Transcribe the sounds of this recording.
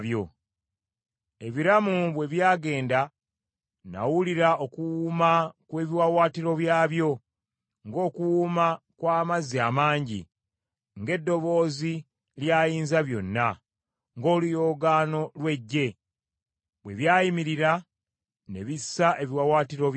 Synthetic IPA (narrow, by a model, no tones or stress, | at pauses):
βjo̞ | e̞βiɾamuβwe̞βjaːɡe̞ːnda | na̰wuliɾao̞kuwumakwe̞ːβiwawaːtiɾo̞βjaːβjo̞ | ŋɡo̞ːkuwuma | kwaːmaziaːmaːɲɟḭ | ŋɡe̞dːo̞βo̞ːzi | ljaːjiːnzaβjo̞nːa | ŋɡo̞ːlujo̞ːɡaːno̞lwe̞ɟːe̞ | βwe̞βjaːjimiɾiɾa | ne̞βisaʔe̞βiwawaːtiɾo̞